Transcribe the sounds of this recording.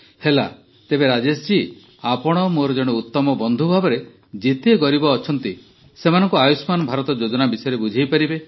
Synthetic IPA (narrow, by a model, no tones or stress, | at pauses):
hela̰ | t̪ebeɾad͡ʒesd͡ʒi | apɔɽ̃ɔmoɾɔd͡ʒɔɽ̃eut̪ːɔmɔbɔnd̪ʱubʱabɔɾe | d͡ʒet̪eɡɔɾibɔːt͡ʃʰɔnt̪i | semanɔŋkuajusmanɔbʱaɾɔt̪ɔd͡ʒod͡ʒɔnabisɔjɔɾebud͡ʒʱijpaɾibe